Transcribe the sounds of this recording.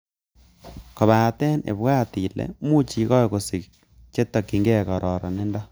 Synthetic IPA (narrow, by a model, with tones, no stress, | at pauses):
kɔ˨βa˨tɛ˦nḛ˨bwa˦ti˨lɛ̰˨mu˦t͡ʃi˨kɔ˦ko˨si˨k̚ | t͡ʃe˦tːɔ˨ki˨ŋɡɛ˦˨kɔ˨ɾʔɔ˨ɾɔ̰˨ne˦ndɔ˦